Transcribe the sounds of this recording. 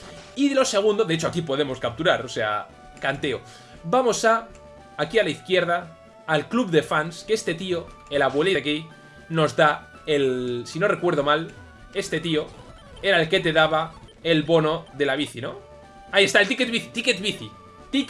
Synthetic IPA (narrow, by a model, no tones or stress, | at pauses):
iðlo̞se̞ɣ̞und̪oðe̞et͡ʃo̞akipo̞ð̞e̞mo̞skap̚t̪uɾaɾo̞se̞a̰ | kant̪e̞o̞ | bamo̞saː | kialaiθkje̞ɾð̞aː | lklubðe̞fanske̞st̪e̞t̪io̞ | e̞laβwe̞liki | no̞zða | elsino̞re̞kwe̞ɾð̞o̞mal | e̞st̪e̞t̪io̞ | e̞ɾaelke̞t̪e̞ðaβa | e̞lβo̞no̞ðe̞laβ̞iθino̞ | aiest̪aelt̪iket̪̚βiθit̪iket̪̚βiθi | t̪ik